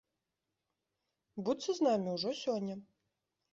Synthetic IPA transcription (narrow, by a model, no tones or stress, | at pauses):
but̪sɐznamʲiuʐɔsʲɔnʲːɐ